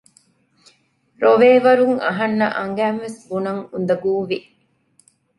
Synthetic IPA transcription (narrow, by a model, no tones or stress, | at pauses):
ɾoʋeːʋɐɾuŋɐɦɐnːɐʔɐŋɡæːmʋesbunɐŋund̪ɐɡuːʋi